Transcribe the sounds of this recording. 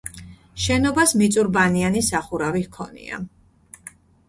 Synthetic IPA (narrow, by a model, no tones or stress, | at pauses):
ʃɛnɔbasmit̪sʼuɾbanianisaχuɾavikʰɔ̰nḭa̰